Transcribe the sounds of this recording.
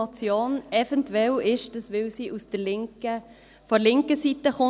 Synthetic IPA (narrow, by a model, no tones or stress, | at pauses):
ɑt͡sjoːnɛvɛntwɛlɪʃdəsʋɪlsiːʔusd̥əɾlɪŋkə | fɔɾlɪŋkəsitəχʊ